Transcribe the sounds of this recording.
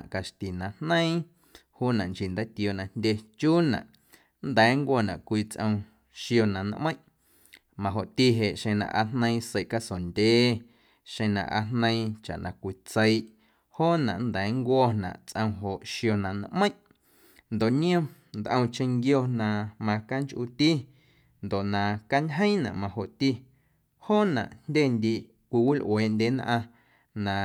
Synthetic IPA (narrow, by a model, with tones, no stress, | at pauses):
ʔka˨ʃt̪i˨nã˨nnə̃˦ĩ˦ | huː˦nã˨ŋki˨nd̪a˦t̪i˧o˧˨ʔnã˧ndʲe˧t͡ʃuː˦nã̰˨ʔ | nd̪ɛː˨˦ŋkʷɔː˧˨nã˨kʷiː˧t͡sʔə̃˧w̃ | ʃjo˧nã˨n̰˦ʔmə̃˦j̃ʔ | mã˨ɦo˨ʔt̪i˧ɦe˨ʔʃẽ˧nã̰˧ʔa˧n̥nə̃˧ĩ˦˧se˧˨ʔka˦so˨ndʲeː˨˦ | ʃẽ˧nã̰˧˨ʔa̰˧nnə̃˧ĩ˧t͡ʃa̰˨ʔnã˧kʷi˧t͡sə˧jʔ | hoː˦nã̰˨ʔnd̪ɛ˨˦ŋkʷɔː˦nã̰˨ʔt͡sʔə̃˧w̃ɦo˨ʔʃjo˧nã˨nã̰˧ʔmə̃˦j̃ʔ | nd̪o˨ʔɲĩ˦õ˦ | nd̪ʔə̃˧w̃t͡ʃẽ˧ŋɡjo˧nã˧mã˧ka˦ŋt͡ʃʔu˧t̪i˦ | nd̪o˨ʔnã˨ka˦ɲɦə̃˦ĩ˦nã̰˨ʔmã˧ho˨ʔt̪i˧ | hoː˦˨nã̰˨ʔndʲeː˦˨nd̪i˧ʔ | kʷi˧wi˦lʔweː˨ʔndʲe˨˦nʔã˧ | nã˨